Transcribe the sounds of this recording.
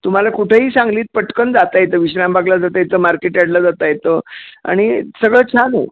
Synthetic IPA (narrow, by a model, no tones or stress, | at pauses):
t̪um̤alakuʈʰeɦiːsãŋɡliːt̪̚pəʈkənd͡zat̪ajet̪əʋiɕɾambaɡlad͡zat̪ajet̪əmaɾkeʈjaɽlad͡zat̪ajet̪əa̰ɽ̃isəɡɭəːt͡ɕʰanə̰